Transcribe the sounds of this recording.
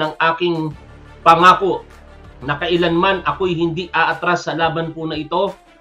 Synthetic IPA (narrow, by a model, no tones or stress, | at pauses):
ɐŋʔaːkɪŋ | pɐŋaːko | nɐkɐʔɪlanmanʔɐko̞jhɪnd̪iʔaʔɐt̪ɾasːɐlaːbɐnpʊnɐʔɪt̪o̞